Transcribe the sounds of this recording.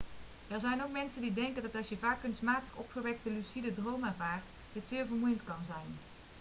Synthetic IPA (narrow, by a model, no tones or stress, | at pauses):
ɛɹzɛjnowkmɛnsəndidɛŋkəndɑtɑlˠsjəvaːkːɵnstmaːtə̥χɔ̰pχəʋɛk̚təlysidədrowmɛɹvaːrt | dɪtsɪːɹvəɹmujəntkɑnzɛjn